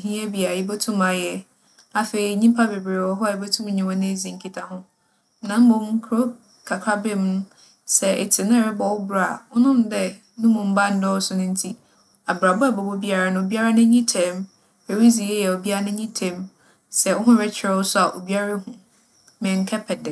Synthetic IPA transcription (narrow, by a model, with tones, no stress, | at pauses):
ɦĩ˦a˦bi˨a˨jɪ˦bɛ˦tʰʊ̃˦ma˨jɛ˦ | a˨fe˨ɾi˨ɲĩ˦mpʰa˦be˨be˨wɔ˦ɦɔ˦a˨ji˦bɛ˦tʰʊ̃˦m˦ɲɪ̃˨wɔ˦nɪ̃˦e˨zĩ˨ŋ̩˨kʰi˦tʰa˨ɦʊ̃˦ | nã˨˦m̩˦bõ˨m˦kʰɾo˦ | kʰa˨kʰɾa˦be˦m˦nʊ̃˦ | sɛ˨ʔɛ̰˨tʰɪ˨nʊ̃˦˨ɾɪ˦bɔ˨wʊ˦bu˨ɾa˦˨ʊ˦nʊ̃˦mdɛ˦ | nũ˦mʊ̃˨m̩˦ba˦n̩˦dɔ˦wsʊ˦nʊ̃˦n̩˦tʰi˦ | a˨bɾa˨bʊ˦a˨bɔ˨bo˦bi˦a˦˨ɾa˨nʊ̃˨o˨bi˦a˦ɾa˦nʊ̃˦ɲĩ˦tʰɛ̃˨m | e˨ɾi˦zi˨jɛ˦jɛ˨o˨bi˦a˦ɾa˦nʊ̃˦ɲĩ˦tʰɛ̃˨m | sɛ˦˨wʊ˦ɦʊ̃˦ɾɛ˦t͡ɕʰɪ˨ɾɛ˦wʊ˦sʊ˦a˨ʔo̰˨bi˦a˦ɾa˦hũ˨ | mɪ̃˨ŋ̩˦kʰɛ˦pʰɛ˨dɪ̃˨